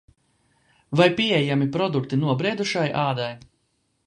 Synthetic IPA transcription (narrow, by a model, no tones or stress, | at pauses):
vajpiɛjamipɾɔd̪ukt̪inuɔbɾiɛd̪uʃajʔaːd̪aj